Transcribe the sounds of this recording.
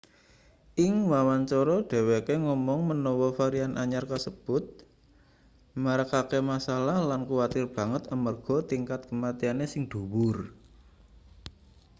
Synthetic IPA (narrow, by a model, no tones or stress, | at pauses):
ʔɪŋwawant͡ʃɔɾɔɖ̥e̤wekeŋɔmɔŋmənɔwɔfaɾianʔaɲarkasəb̥ʊt̪̚ | maɾakakemasalahlankuwat̪ɪrb̥ä̤ŋət̪əmərɡ̥ɔ̤t̪iŋkat̪̚kəmat̪ianesɪŋɖ̪̥ṳwʊr